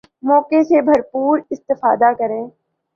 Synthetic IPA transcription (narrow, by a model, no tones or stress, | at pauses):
mɔːkesebʱɐɾpuːɾɪst̪ɪfa̰ːd̪akɐɾẽː